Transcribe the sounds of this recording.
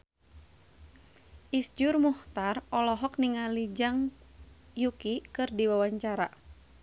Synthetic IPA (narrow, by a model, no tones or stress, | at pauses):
ʔisd͡ʒʊrmuht̪arɔlɔɦɔkniŋalid͡ʒaŋ | jukikɨrdiwawaɲt͡ʃaɾa